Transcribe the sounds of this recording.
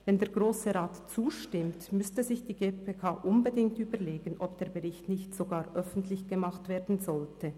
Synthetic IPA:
vɛndeːɐɡʁoːsəʁaːtt͡suːʃtɪmtmʏstəzɪçd̥iːɡeːpeːkʰaːʔʊnbədɪŋktyːbəleːɡənɔpd̥eːɐɾbəʁɪçtnɪçtz̥oɡaːʁʔœfn̩tʰlɪçɡ̥əmaχtv̥eːɐdn̩zɔltʰə

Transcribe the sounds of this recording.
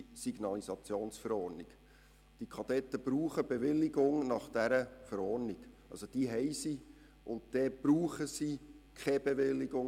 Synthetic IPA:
siɡ̥nɑlisɑt͡sjoːnsfəɾɔːɾniɡ̥ | d̥ikʰɑd̪ɛtːəb̥ɾuːχəbeʋɪlːiɡʊŋnɑχd̥æɾəfəɾɔrniɡ̥ | ɑlsod̥iɦɛɪsi | ʔʊnt̚tɛb̥ɾuːχəsikʰɛb̥eʋɪlːiɡʊŋ

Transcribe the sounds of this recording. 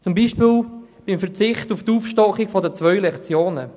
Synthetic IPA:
t͡sʊmbiːʃpɪːl | b̥ɪmfəɹt͡sɪχtuftuːfʃtɔχiɡ̥fɔdət͡svœʏlɛkt͡sjoːnə̰

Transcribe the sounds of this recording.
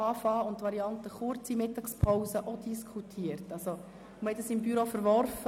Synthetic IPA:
ɑːfɑːʊntːʋɑɾiɑnt̪əχʊɾt͡simɪtːɑkspʰawsəʔod̥iskʰutʰiːəɾtɑso | mɛtdəsimbyɾofəɾvɔrfə

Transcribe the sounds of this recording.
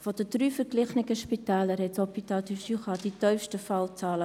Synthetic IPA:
fɔd̥əd̥ɾyːfəɾɡ̥lɪχnɪɡəʃpitɛːləɾhɛtɔpit̪ɑtyʃyχɑd̥itœʏfʃtəfɑlt͡sɑːlə

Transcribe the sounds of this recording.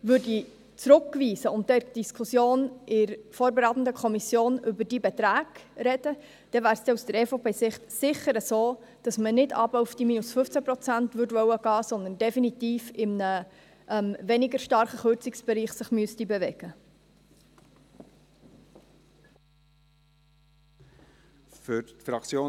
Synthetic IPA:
ʋʏrdi | t͡sɾʊkːviːsəʊntdɛɾd̥iskʰʊsjoːnɪɾfoːɾbeɾæɪt̪ən̩dəkʰɔmisjoːnʔʏbəɾd̥ibɛt̪ɾæːɡ̥ɾɛd̥ə | d̥ɛvæːɾsd̥ɛusd̥əɾefopʰeːsɪχtsɪχəɾəsoː | d̥ɑsmənɪdɑ̰bəufd̥iminusfɵft͡sæpɾɔt͡sæntvʏtʋœwəɡ̥ɑːsɔnd̪ənd̥ɛfinit̪iːfɪmnə | ʔmvɛnɪɡəɾʃtɑrχəχøɾt͡sɪksb̥ɛɾiːχsɪχmyəstibɛvɛɡ̥ə | fʏɾtfɾɑkt͡sjoː

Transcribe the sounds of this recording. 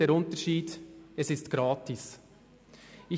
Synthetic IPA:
eːɾʊntəʃiːdɛsɪstɡ̥ɾaːtɪs | ɪ

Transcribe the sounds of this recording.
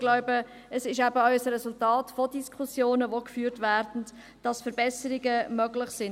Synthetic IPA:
ɡ̥lɔʊbə | əsɪʃæbəœʏsrɛzultɑːtfodiskʰusjoːnəʋokfyːɾtvæːɾdn̩ | d̥ɑsfəɾbɛsəɾiɡəmœɡlɪχsɪn

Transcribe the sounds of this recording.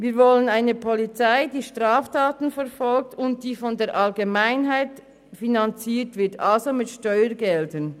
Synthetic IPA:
viːɐvɔlənaɪnəpʰɔlit͡saɪdiːʃtʁ̥aːftʰaːtn̩fɛʁfɔlk̚tʰʊnt̚d̥iːfɔndeːɐʔɑlɡemaɪnɦaɪt | finɑnt͡siːtv̥ɪɐtʔalzomɪtʃtɔʏəɾɡɛldən

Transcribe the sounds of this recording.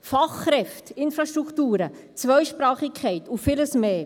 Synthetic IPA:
fɑχːɾɛftɪnfɾɑʃtɾuktuːɾə | t͡svœɥʃpɾɑːχikʰχɛɪtufɪləsmeː

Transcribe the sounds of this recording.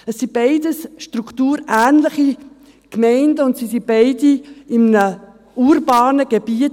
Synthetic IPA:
əsːib̥ɛɪdəsʃtɾukʰtuːɾæːnləχi | kmɛɪndəʊntsisib̥ɛɪdiɪmnə | uɾbɑːnəɡ̥ebiət

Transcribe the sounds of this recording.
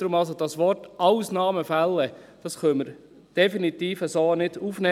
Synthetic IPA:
ɾʊmɑls̬odɑsʋɔrtɑwsnɑːməfælːəd̥ɑsχœməɾ | d̥ɛfinit̪iːfəsoːnɪd̥ufnɛ

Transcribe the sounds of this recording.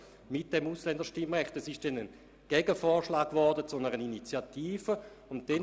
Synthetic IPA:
mit̚d̥ɛmuslɛndəʃtimʁɛχtɛsɪʃd̥ɛnən | ɡ̥ɛɡəfɔːʃlaːɡvɔɐdət͡sʊnəʁəninit͡sjatiːfə | ʊntd̥ɛ

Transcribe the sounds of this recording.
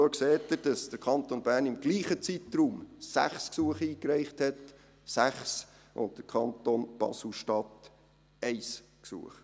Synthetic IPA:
kseːt̪ːəɾd̥ɑsd̥əɾkʰɑnt̪onbæːɾnɪmɡ̥liːχət͡sit̪ɾuːmsæ̰χsksuəχiːkɾɛɪχthɛt | sæχs | ʔʊ̰nt̚d̥əɾkʰɑnt̪onb̥ɑ̰suʃtɑt | ɛɪs | ksṵəχ

